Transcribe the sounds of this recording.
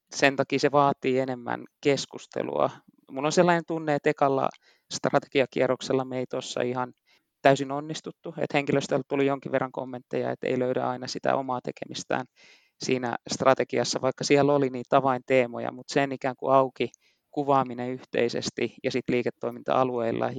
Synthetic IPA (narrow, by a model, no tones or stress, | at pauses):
sent̪ɑkiːseʋɑːt̪ːiːenemːæ̰nkeskust̪ḛlṵɑ̰ | mulːonselːɑːnent̪unːeːt̪ekɑlːɑ̰ | st̪rɑt̪e̥ɡ̥iɑkḭærokselːɑmeit̪osːɑ̰ihɑn | t̪æysinonːist̪ut̪ːuḛt̪heŋkiløst̪elt̪ulijjoŋkiʋerːɑŋko̰mːent̪ːejɑ̰ḛt̪ḛiløyɾæ̰ɑinɑsit̪æ̰omɑːt̪ekemist̪æ̰ːn | siːnæ̰st̪rɑt̪ekiɑsːɑʋɑikːɑsiɛlːoliniːt̪tɑʋɑint̪eːmo̰jɑ̰mut̪senikæːŋkṵɑuki | kuʋɑːmineyht̪ḛisḛst̪ijɑsit̪liːket̪ːoimint̪ɑ̰ɑlueilːɑ̰